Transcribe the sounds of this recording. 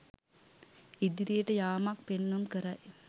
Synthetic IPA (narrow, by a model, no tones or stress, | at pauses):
id̪iɾijəʈəjaːmak̚penːonkəɾaj